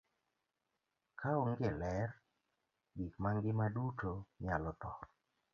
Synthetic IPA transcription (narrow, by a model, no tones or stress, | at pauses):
kʰaoŋɡelɛr | ɡikmaŋɡɪmadutoɲalɔtɔ